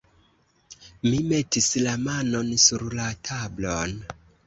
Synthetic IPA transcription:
mime̞tislamano̞nsuɾlatʰablon

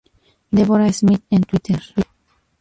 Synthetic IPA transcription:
d̪eβoɾaismit̪ẽnt̪wit̪ʰeɾ

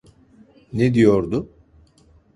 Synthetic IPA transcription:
ned̪ijo̞ɾd̪ʊ

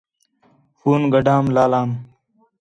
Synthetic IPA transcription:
fuːnɡəɖaːmlaːlaːm

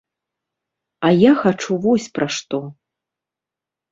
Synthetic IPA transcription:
ɐjaxat͡ʂuvɔsʲpɾaʂt̪ɔ

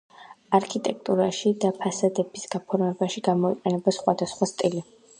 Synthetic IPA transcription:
aɾkʰit̪ʼɛk̚ʰt̪ʼuɾaʃid̪apʰasad̪ɛbisɡ̥apʰɔɾmɛbaʃiɡamɔiqʼɛnɛbasχwad̪asχwast̪ʼili

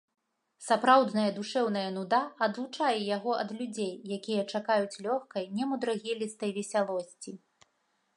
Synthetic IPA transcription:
sapɾawd̪nɐjɐd̪uʂɛwnɐjɐnud̪aɐd̪lˠut͡ʂajɛjaɣɔʔɐ̰d̪lʲud͡zʲejːakʲijɐt͡ʂakajut͡sʲlʲɔxkɐjnʲɛmud̪ɾaɣʲilʲist̪ɐjvʲɛsʲalˠɔsʲt͡sʲi

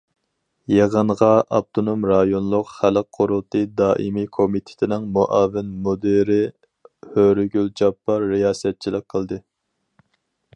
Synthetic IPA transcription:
jeʁəɴʁɑʔɑ̰b̚t̪ʰonomɾɑjonlˠʊqχælq̚qʰːoɾulˠt̪ʰɨd̪ɑːʔimikʰomit̪ʰɪ̥t̪ʰɪnɪŋmoʔɑːvɪnmod̪eɾɪ | høɾɡʲyld͡ʒɑpːɑɾːijɑːsɛt̪̚t͡ʃʰilˠəq̚qʰːəlˠd̪ɨ

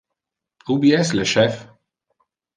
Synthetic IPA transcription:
ubiɛslɛʃɛf

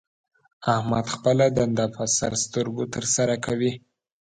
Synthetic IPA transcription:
ahma̰d̪xpəlad̪and̪afasa̰ɾst̪əɾɡot̪əɾsaɾakʰawi

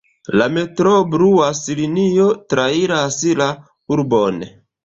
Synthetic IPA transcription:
lame̞tɾobɾuasiliniotɾaiɾasila | uɾbon

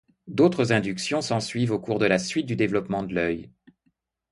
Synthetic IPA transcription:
d̪ot̪χəzɛ̃d̪yksjɔ̃sɑ̃sɥivokuʁd̪əlasɥit̪̚d̪yd̪evlɔpmɑ̃d̪əlœj

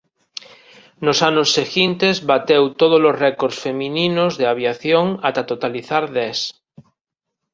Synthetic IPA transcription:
nosanosːeɣint̪ezβat̪ewt̪oð̞olozrɛkoɾsfemĩnĩnozðeaβ̞jaθjoŋat̪at̪ot̪aliθaɾðɛs

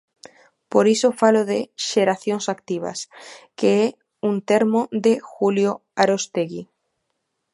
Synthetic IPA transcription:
poɾisofaloðeʃeɾaθjoŋsakt̪iβ̞a̰skeɛ | unt̪eɾmod̪exuljoaɾost̪eɣi

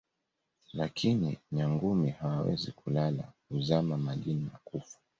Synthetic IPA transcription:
lakʰinḭɲaŋɡumihawawɛ̰zikulala̰kuzamamaɗinimakufḁ

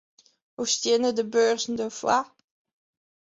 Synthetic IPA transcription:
ost̪jenədəbøːʁzndəfwa

